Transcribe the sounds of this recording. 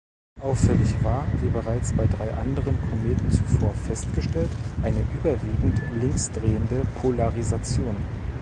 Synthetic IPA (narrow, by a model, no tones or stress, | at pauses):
ʔaʊfɛlɪçv̥aːɐviːbəʁaɪt͡sb̥aɪdʁaɪʔandəʁənkʰomeːtn̩t͡sufoːɐfɛstɡ̥əʃtɛltʔaɪnəʔyːbɐviːɡŋ̩tlɪŋksd̥ʁeːəndəpʰolaʁizat͡sjoːn